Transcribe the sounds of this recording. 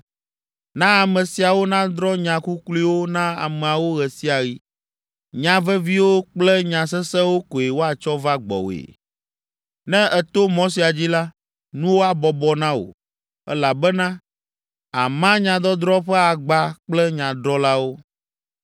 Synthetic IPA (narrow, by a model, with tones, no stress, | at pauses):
nã˦a˨mɛ̃˨si˨a˨wo˦nã˦d̪ɾɔ˦ɲã˨ku˦kli˦wo˦nã˦a̰˨mɛ̃˨a˨wo˦ɣɛ˨si˦a˨ɣi˦ | ɲã˨vɛ˦vi˦wo˦k͡plɛ˦ɲã˨s̬ɛ˦sɛ˦wo˦ko˨e˨wo˦a˨t͡ʃɔ˦va˦ɡ͡bɔ̰˨w̰ḛ˨ | nɛ̃˦ɛ˨t̪o˦mo˦s̬i˨a˨d͡ʑi˦la˦ | nũ˦wo˦a˨bɔ˨bɔ˨nã˦o̰˨ | ɛ̰˦la˨bɛ˦nã˦ | a˨mã˦ɲã˨d̪ɔ˦d̪ɾɔ˦ɸɛ˦a˨ɡ͡ba˦k͡plɛ˦ɲã˨d̪ɾɔ˦la˦wo˦